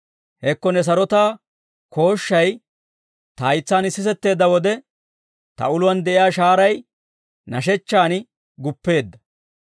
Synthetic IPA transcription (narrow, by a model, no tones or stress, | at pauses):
hɛkːɔnɛs̬ɐɾɔt̪aː | kʰo̞ːʃːɐj | t̪ɐːjt͡sːaːnɪsːɪsɛt̪ːe̞ːd̪ːɐwɔd̪ɛ | t̪ɐ̰ʊlʊwɐnd̪ɛʔɪjaːʃaːɾɐj | nɐʃ̬ɛt͡ʃːaːnɪ | ɡʊpːe̞ːd̪ːɐ